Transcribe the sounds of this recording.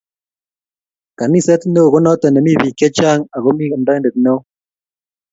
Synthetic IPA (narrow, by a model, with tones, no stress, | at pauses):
ka˨ni˦sɛ˦t̪ne˦o˨ɣo˦nɔ˦t̪ɛ˨nɛ˨mi˦βi˨kɛ˦t͡ʃa˦ŋa˨ɣo˦mi˦˨ndɔ˦nde˨t̪ne˦w